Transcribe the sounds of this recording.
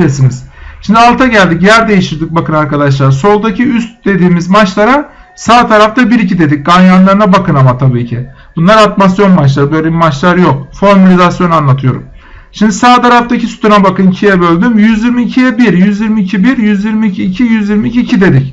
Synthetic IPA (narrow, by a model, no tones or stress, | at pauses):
esiniz̥ʃimd̪ialˠt̪ʰaɟælʲd̪ic̬jæɾd̪e̞jiʃiɾd̪ɯk̚bakɯnaɾkad̪aʃ̬lˠaɾso̞lˠd̪acʰiyst̪̚d̪e̞d̪iːmizmat͡ʃlˠaɾa | saːt̪ʰaɾaft̪ʰabiɾicʰid̪e̞d̪ic̚ɡanjanlˠaɾɯnabakʰɯnamat̪ʰabiːcʰi | b̥unlˠaɾat̪masjo̞nmat͡ʃlˠaɾɯbø̞jlʲebimat͡ʃlˠaɾjo̞k̚foɾmalʲizasjonanlˠat̪ʰɯjo̞ɾṵm | ʃimd̪isaːt̪ʰaɾaft̪acʰisy̥t̪ʰunabakɯncʰijɛbø̞lʲd̪ymjyzjiɾmiːcʰijɛbiɾjyzjiɾmiːcʰibiɾjyzjiɾmiːcʰiːcʰijyzjiɾmiːcʰiːcʰid̪e̞d̪ic